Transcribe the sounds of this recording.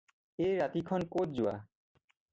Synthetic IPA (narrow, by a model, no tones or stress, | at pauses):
ejɹat̪ikʰɔnkot̚zʊwa̰